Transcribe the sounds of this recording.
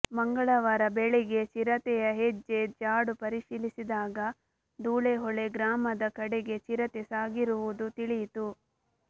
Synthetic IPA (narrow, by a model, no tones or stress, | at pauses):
mɐŋɡɐɭɐʋɐɾɐbeɭɛɡe̞t͡ʃiɾɐt̪ɛjɐɦed͡ʒːe̞d͡ʒaːɽupɐɾiʃilisid̪aːɡɐ | d̪uːɭeɦɔɭeɡɾaːmɐd̪ɐkɐɽeɡe̞t͡ʃiɾɐt̪esaːɡiɾuʋud̪ut̪iɭit̪u